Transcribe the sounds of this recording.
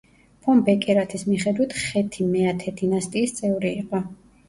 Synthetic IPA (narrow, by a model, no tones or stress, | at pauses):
pʰɔmbɛkʼɛɾat̪ʰismiχɛd̪wit̪ʰχɛt̪ʰimɛat̪ʰɛd̪inast̪ʼiːst̪sʼɛvɾiːqʼɔ